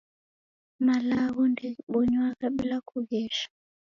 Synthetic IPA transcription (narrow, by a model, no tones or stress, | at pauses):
malaβɔndiɓɔɲwakaɓilakuɣɛʃḁ